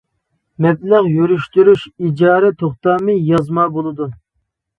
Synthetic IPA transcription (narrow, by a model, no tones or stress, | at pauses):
mɛblæʁjyɾyʃt̪yɾyʃid͡ʒɑːɾɛt̪ʰoχt̪ɑːmɨjɑzmɑbolˠɨd̪u